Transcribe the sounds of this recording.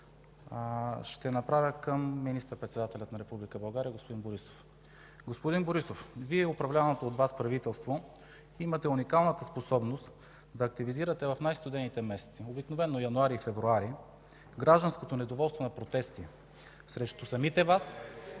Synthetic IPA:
ʃt̪ɛnɐpɾavʲəkəmːinist̪əɾpɾɛt̪sɛd̪at̪ɛlʲət̪nɐɾɛpublʲikəbɐlˠɡaɾiəɡospod̪inboɾiso̥f | ɡospod̪inboɾisofviɛopɾɐvlʲavɐnot̪oːt̪vaspɾɐvit̪ɛlˠst̪vo | imɐt̪ɛunikalˠnət̪əsposɔbnost̪ | d̪ɐːk̚t̪iviziɾət̪ɛvɐfnajst̪od̪ɛnit̪ɛmɛsɛ̥t̪siobiknovɛnːojɐnʊaɾiːfɛvɾuaɾi | ɡɾaʒd̪ɐnskot̪onɛd̪ovɔlˠst̪vonɐpɾot̪ɛst̪i | sɾɛʃt̪osɐmit̪ɛvas

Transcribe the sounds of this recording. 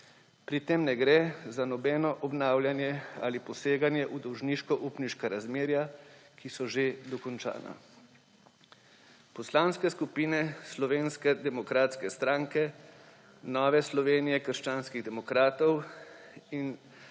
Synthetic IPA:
pɾit̪emnɛɡɾɛzanɔbɛːnɔʔɔbnaːwljanjɛa̰lipɔseːɡanjɛʔud̪ɔwʒniːʃkɔʔuːpniʃkaɾazmeːɾjakisɔʒed̪ɔkɔnt͡ʃa̰ːna̰ | pɔslaːnskɛskupiːnɛslɔʋeːnskɛd̪ɛmɔkɾaːt̪skɛst̪ɾaːŋkɛ | nɔːʋɛslɔʋeːnijɛkəɾʃt͡ʃaːnskiɣd̪ɛmɔkɾaːt̪ɔw | in

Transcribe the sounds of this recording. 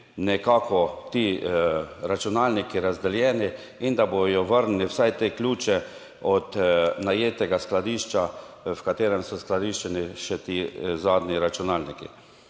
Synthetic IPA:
nɛkaːkɔt̪i | ɾat͡ʃunaːlnikiɾazd̪ɛljɛːni | ind̪abojɔʋəɾnnliwsajt̪eːkluːt͡ʃɛ | ɔt̪najeːt̪ɛɡasklad̪iːʃt͡ʃa | wkat̪eːɾɛmsɔsklad̪iʃt͡ʃɛniʃɛt̪iːzaːd̪niɾat͡ʃunaːlnikḭ

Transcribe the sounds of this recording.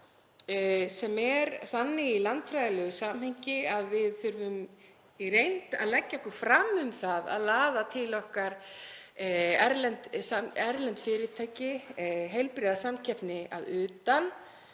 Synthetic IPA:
sɛmɛɾθanːɪilant̪fɾaːðɪlʏɣʏsaːmheɲcɪaðvɪðθʏɾvʏm | iɾejnt̪a̰ðlɛcːakʏɾ̥fɾamʏmθaða̰ðlaːðat̪ʰɪlɔhkaɾ̥ | ɛɾlɛnt̪saɛɾlɛnt̪fɪːɾɪt̪ʰaːjcɪɦejlpɾɪːðasamcʰɛhpnɪa̰ðʏːt̪an

